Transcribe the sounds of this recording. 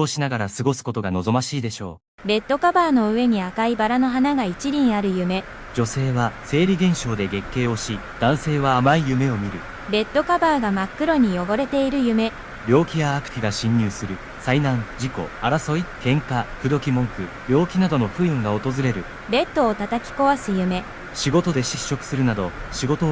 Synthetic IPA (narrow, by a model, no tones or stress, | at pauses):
oːɕinaɡaɾasɨɡo̞sɨ̥ko̞t̪o̞ɡano̞zo̞maɕiːd̪e̞ɕo̞̰ː | be̞t̪ːo̞kabaːno̞ɯ̟e̞ɲ̟iakaibaɾano̞ɦanaɡait͡ɕiɾʲĩɰ̃aɾɯ̟jɯ̟me̞ | d͡ʑo̞se̞ːβase̞ːɾʲiɡẽ̞ɰ̃ɕo̞ːd̪e̞ɡe̞kːe̞ːo̞ɕi | d̪̥ãɰ̃se̞ːβaːmaijɯ̟me̞o̞mʲiɾɯ̟ | be̞t̪ːo̞kabaːɡamakːɯ̟ɾo̞ɲ̟ijo̞bo̞ɾe̞t̪e̞iɾɯ̟jɯ̟me̞ | ɾʲjo̞ːkʲijaːkɯ̟̥t̪ʲiɡaɕĩɲːɯːsɨɾɯ̟ | sainãŋd͡ʑiko̞̰aɾaso̞ikẽ̞ŋkaɸɯ̟d̪o̞kʲimõ̞ŋkɯ̟ | ɾʲo̞ːkʲinad̪o̞no̞ɸɯ̟ɯ̟̃ŋɡao̞t̪o̞zɨɾe̞ɾɯ̟ | be̞t̪ːo̞ːt̪at̪akʲi̥ko̞βasɨjɯ̟me̞ | ɕiɡo̞t̪o̞d̪e̞ɕiɕːo̞kɯ̟̥sɨɾɯ̟nad̪o̞ɕiɡo̞t̪o